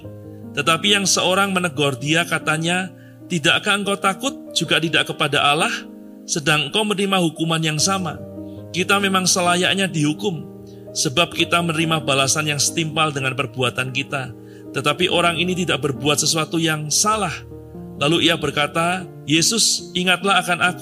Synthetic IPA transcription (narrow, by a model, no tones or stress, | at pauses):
t̪ət̪apijaŋsəoɾaŋmənəɡɔrdiakat̪aɲa | t̪idaʔkaəŋkawt̪akʊt̪̚d͡ʒ̥uɡat̪idaʔkəpadaʔalah | sədaŋəŋkawmənɾimaɦukumanjaŋsama | kit̪amemaŋsəlaja̰ʔɲadiɦukʊm | səbap̚kit̪amənɾimabalasanjaŋsə̥t̪impaldəŋanpərbuat̪ankit̪a | t̪ət̪apiʔoɾaŋinit̪̬idaʔ̚bərbuat̪̚səsuat̪ujaŋsalah | laluijabərkat̪a | jesʊsiŋat̪̚laɦakanʔaku